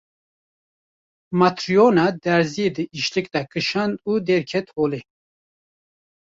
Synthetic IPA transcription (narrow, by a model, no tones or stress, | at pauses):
mat̪ɾijonɑd̪ɛɾzijed̪ɨʔiʃlɨkd̪ɑkɨʃand̪ud̪ɛɾkʰɛt̪hoːle